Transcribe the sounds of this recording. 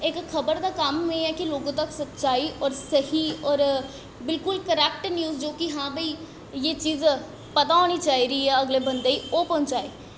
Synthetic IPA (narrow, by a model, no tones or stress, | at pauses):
ekxʰəbəɾd̪akamɦeĩɛːkiloːɡõt̪əksət̪t͡ʃaːiʔɔːɾsəɦiɔːɾ | bɪlkʊlkəɾɛːk̚ʈnjuːzd͡ʒoːkiɦãːbəi | jeːt͡ʃiːz | pɐt̪aɦoːñit͡ʃaːɦiɾəiɦɛɐɡlebə̃nd̪eioːpɔ̃ɦʊ̃nt͡ʃaːeː